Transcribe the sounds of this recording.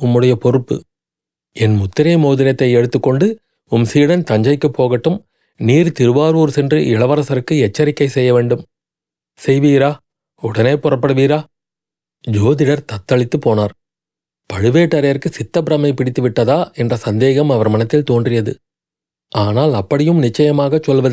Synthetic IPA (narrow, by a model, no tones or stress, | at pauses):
ʊmːɯɽɐjɐpɔɾɯpːɯ̰ | ɛnmʊt̪ːɪɾɐjmoːðɪɾjɐt̪ːɐɪɛɽɯt̪ːɯkːɔɳɖɯ | ʊmsiːɽɐnt̪ɐɲd͡ʒɐɪkːɯpːoːɣɐʈːɯm | niːɾt̪ɪɾɯʋaːɾuːɾsɛndrɯʔɪɭɐʋɐɾɐsɐɾɯkːɯɛt͡ʃːɐɾɪkːɐɪsɛjːɐʋeːɳɖɯm | sɛjʋiːɾaː | ʊɽɐneːpʊrɐpːɐɽɯʋiːɾaː | d͡ʒoːðɪɽɐɾt̪ɐt̪ːɐɭɪt̪ːɯpːoːnaːɾ | pɐɻɯʋeːʈːɐɾɐjɐɾkɯsɪt̪ːɐpɪɾɐmɐɪpɪɽɪt̪ːɯʋɪʈːɐðaːɛndrɐsɐnd̪eːɣɐmɐʋɐɾmɐnɐt̪ːɪlt̪oːndrɪjɐðɯ | aːnaːlɐpːɐɽɪjɯmnɪt͡ʃːɐjɐmaːɣɐt͡ʃːɔlʋɐðɯ